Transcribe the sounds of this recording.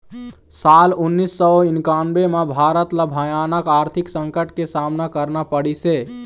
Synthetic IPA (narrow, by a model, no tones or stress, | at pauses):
salunːisːəoinkanbemabʱaɾət̪labʱəjanəkaɾt̪ʰiksə̃ŋkəʈkesamnakəɾnapəɽise